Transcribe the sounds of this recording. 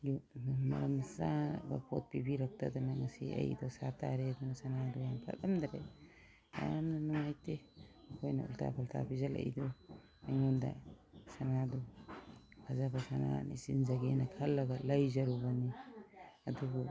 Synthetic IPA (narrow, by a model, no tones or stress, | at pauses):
jumɐ̰ɾamsaba̰pʰo̰t̚pibiɾak̚ta̰danaŋasḭɐ̰jdɔsatʰa̰ɾedunasanadujaŋpʰa̰tamdaɾaj | a̰amnanɔŋajte | ɐkʰojna̰ṵltʰa̰pʰaltʰa̰bizalɐ̰jdɔ | aŋɔnda̰ | sanadu | kʰazabasana̰nisinzaɡenakʰɐlːɐɡalɐjzɐɾubani | ɐdubu